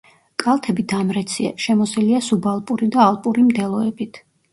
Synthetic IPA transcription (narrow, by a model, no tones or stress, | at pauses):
kʼalˠt̪ʰɛbid̪amɾɛt̪sʰia̰ʃɛmɔsiliasubalˠpʼuɾid̪aːlˠpʼuɾimd̪ɛlˠɔɛbit̪ʰ